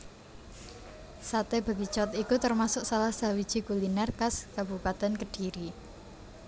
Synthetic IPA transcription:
sat̪eba̤ɡit͡ʃɔt̪ikut̪ərmasʊksalahsa̤wid̥ʒ̥i̤kulinɛrkaskab̥upat̪ɛnkəɖ̥iɾi

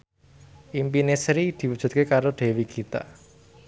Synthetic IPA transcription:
ʔimpinesɾid̪̥i̤wud̥ʒ̥ṳt̪̚kekaɾoɖ̥e̤wiɡ̥ʰit̪a̰

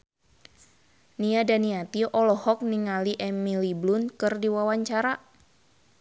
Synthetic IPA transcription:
niadaniat̪iʔɔlɔhɔk̚niŋaliʔɛmiliblʊnkɨrdiwawaɲt͡ʃaɾa

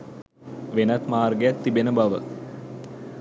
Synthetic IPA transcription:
ʋenɐt̪maːrɡejakt̪ːibenəbɐʋə

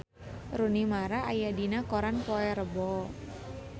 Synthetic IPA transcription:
runimaɾaːjadinakoɾanpoɛɾəbɔ

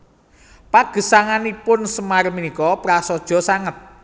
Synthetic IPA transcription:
paɡ̥ə̤saŋanipʊnsəmarminikɔpɾasɔd̥ʒ̥ɔ̤saŋət̪̚

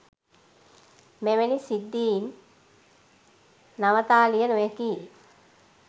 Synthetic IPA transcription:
meʋenisid̪ːiːn | aʋət̪aːlijənujəki

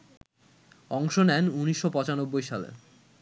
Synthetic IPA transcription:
ɔŋʃonɛnuniʃːopɔt͡ɕanobːojʃalḛ

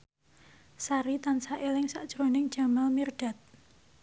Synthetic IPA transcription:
saɾit̪ansaʔelɪŋsa̰ʔd̥ʒ̥ɾonɪŋd͡ʒ̥a̤mɛlmirɖ̥a̤t̪̚

